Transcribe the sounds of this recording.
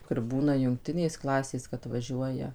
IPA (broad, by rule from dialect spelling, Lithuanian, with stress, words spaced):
kʊr ˈbuːnɐ jʊŋkˈtʲɪnʲeːs ˈklˠɑːsʲeːs kɐt ʋɐˈʒʲuɔjɛ